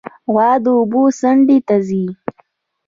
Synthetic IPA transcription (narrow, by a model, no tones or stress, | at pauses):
ɣwɑːd̪əʊbusaɳɖit̪azi